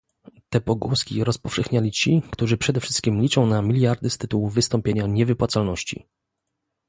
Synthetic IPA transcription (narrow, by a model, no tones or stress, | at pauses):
t̪ɛpɔɡuskʲiɾɔspɔfʂɛxɲalʲit͡ɕikt̪uʐɘpʂɛd̪ɛfʂɘ̥st̪̚kʲimlʲit͡ʂɔ̃w̃namʲilʲjaɾd̪ɘst̪ɘt̪uwuvɘst̪ɔmpʲjeɲaɲɛvɘpwat̪salnɔɕt͡ɕḭ